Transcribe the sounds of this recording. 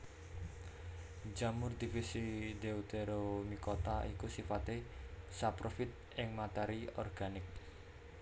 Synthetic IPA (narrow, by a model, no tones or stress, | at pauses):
d͡ʒamʊrd̪̥ifisid̪eut̪eɾomikot̪aikusifat̪esapɾofɪt̪̚ʔɪŋmat̪ɛɾiɔ̰rɡ̥anɪk̚